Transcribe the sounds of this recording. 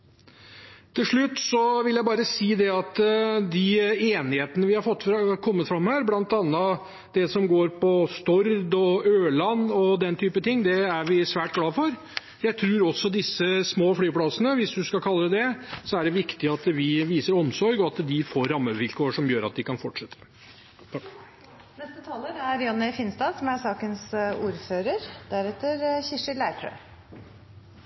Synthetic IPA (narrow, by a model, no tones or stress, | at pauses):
t̪ʰɪlʂɭʉt̪ːsɔʋɪljæɪbɑːɾəsiːd̪ɛɑt̪d̪ɪeːnɪheːt̪ənəʋɪhɑɾfɔt̪ːkʰɔmːət̪fɾɑmːhæːɾblɑnt̪ɑnːə | d̪ɛsɔmɡoːɾpɔst̪ɔɾd̪ɔøːlɑnːɔd̪ɛnt̪ʰyːpət̪ʰɪŋːd̪ɛæɾʋɪsʋæːʈ̚ɡlɑːfɔɾ | jæɪt̪ʰɾʉːɾɔsːɔd̪ɪsːəsmoːflyːpʰɽɑsənəʋɪsd̪ʉskɑkʰɑlːəd̪ɛsɔæɖɛʋɪkt̪ɪɑt̪ʋɪʋiːsəɾɔmsɔɾɡɔɑt̪d̪ɪfoːɾːɑmːəʋɪlkʰoːəʂɔmjøːɾɑ̰t̪̚d̪ɪkɑnfɔʈʂɛt̪ʰːə̥ | nɛst̪ət̪ʰɑːləɾæɾjɔnːɪfɪnst̪ɑːsɔmæsɑːkənsṵːɾføːɾəɾd̪̥æɾɛt̪ːəɾçɪʂɪlæɪfʰɾø̰